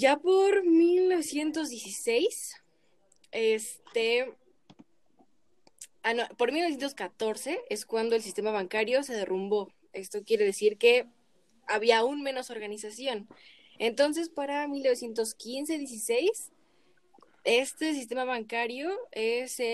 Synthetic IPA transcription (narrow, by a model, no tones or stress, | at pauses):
ɟ͡ʝapo̞ɾmilno̞β̞e̞sje̞nt̪o̞zðjesise̞js | est̪e | anopoɾmilnojent̪oskat̪o̞ɾse̞ʔe̞skwand̪o̞elsist̪e̞maβ̞aŋkaɾjo̞se̞ð̞e̞rʔumbo̞ | e̞st̪o̞kje̞ɾe̞ðe̞siɾke̞ | aβiaːunmẽ̞no̞so̞ɾɣanisasjo̞n | e̞nt̪o̞ns̬e̞spaɾamilnoe̞sje̞nt̪o̞skinse̞ðjesisejs | e̞st̪es̬is̬t̪e̞maβaŋkaɾjo̞ese